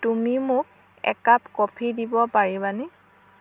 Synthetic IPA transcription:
tumimʊk | ɛ̰kapkɔpʰidibɔpaɹibanɛ

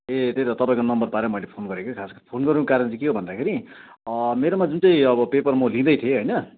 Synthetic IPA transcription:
et̪et̪ʌt̪ʌpaĩkonʌmbʌrpaɾemʌjlepʰonɡʌɾekokʰaskopʰonɡʌɾunukkaɾʌnt͡sʌkeɦobʱʌnd̪akʰeɾi | meɾomad͡zunt͡sʌĩʌbʌpepʌrmʌlĩd̪ʌjt̪ʰieɦʌjnʌ

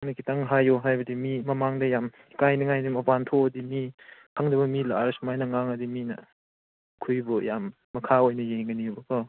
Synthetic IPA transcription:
nɐkʰitaŋɦajoɦajbɐdimimɐmaŋdɐjam | kajniŋajnimɐpantʰoɐdimikʰaŋdɐbɐmilaɾsmajnɐŋaŋɐdiminɐ̰ | kʰujbɔjamː | ɐkʰaojnɐjeŋɡɐniobɐkɔ

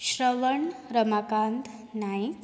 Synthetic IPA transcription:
ɕɾəʋəɳɾəmakand̪naj

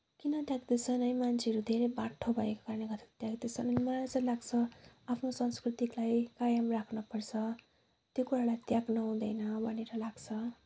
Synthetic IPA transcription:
kinʌt̪jaɡd̪et͡sʰʌnʌjmant͡sʰeʌɾud̪ʱeɾʌjbaʈʰːobʱʌekokaɾʌneɡʌt̪ʰi̥t̪jaɡd̪et͡sʰʌnʌnimʌlalat͡sʌlaɡt͡sʰʌapʰnosʌnskrit̪iklajkajʌmrakʰnʌpʌrt͡sʰʌ | t̪jokuɾalajt̪jaɡnʌɦũd̪ʌjnʌbʱʌneɾʌlaɡt͡sʰʌ

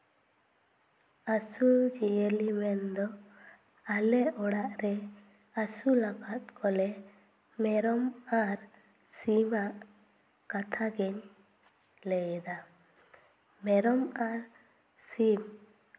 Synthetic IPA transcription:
asud͡ʒiɛlimɛnd̪ɔ | alɛʔɔɽaʔɾɛ | asulakat̪̚kʰɔlɛ | mɛɾɔmaɾ | simaʔ | kat̪ʰaɡɛɲ | lɛjd̪a | mɛɾɔmaɾ | sim

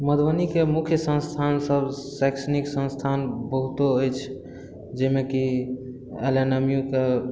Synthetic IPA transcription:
məd̪bənikemukʰjəsə̃nst̪ʰansəbsajksəniksə̃nst̪ʰanbəɦut̪oəjt͡ʃʰ | d͡ʒemeki | elenəmijũke

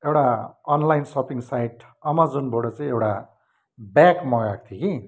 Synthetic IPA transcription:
ewʈaʌnlajnsʌpiŋsajʈ | ʌmad͡zunboɽʌt͡saĩewʈa | bjakmʌjak̚t̪ʰiki

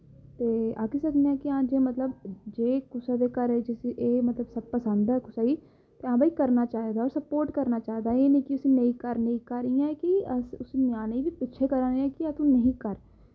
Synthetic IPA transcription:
t̪eːãːkisəkneãːkɪãːd͡ʒeːmət̪ləbd͡ʒeːkʊsaːd̪eːkəɾd͡ʒesʔeːmət̪ləbsəb̚pəsə̃nd̪aɛkʊsaːiː | t̪eːãːbʱaːikəɾnaːt͡ʃaːed̪aːɔːɾsəpoːɾʈkəɾnaːt͡ʃaːed̪aːeːnẽːkɪʊsiːneĩːkəɾnə̃ĩkaɾijãːkɪəsʊsnjaːnĩːbiːpɪtːʃʰeːkəɾãːeɛ̃ːkɪat̪ũːnəɦĩːkəɾ

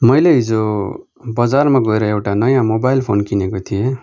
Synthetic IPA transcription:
mʌjleɦid͡zo | bʌd͡zarmaɡʌeɾʌewʈanʌjãmobajlpʰonkinekot̪ʰije

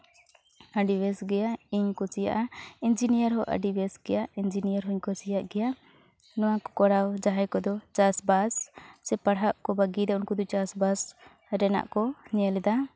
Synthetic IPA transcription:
aɖibɛsɡɛjaiɲkɔt͡ʃija̰ʔaind͡ʒinijəɾɦɔʔa̰ɖibɛsɡɛjaind͡ʒinijəɾɦɔiɲkɔsijaʔɡɛja | nɔ̃wakɔ̥kɔɽawd͡ʒaɦajkɔd̪ɔt͡ʃasbassɛpaɽɦaʔkɔbaɡiɾɛʔunkud̪ut͡ʃasbas | ɾɛna̰ʔkɔɲɛlɛd̪a

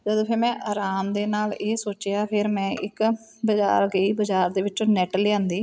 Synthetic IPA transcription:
d͡ʒəd̪õːpʰɪɾmɛ̃ːʔaːɾaːmd̪eːnaːleːsoːt͡ʃjaːpʰɪɾmɛ̃ːʔɪk | bəd͡ʒa̰ːɾɡəiːbəd͡ʒaːɾd̪eːʋɪt͡ʃõːnɛːʈljãːnd̪iː

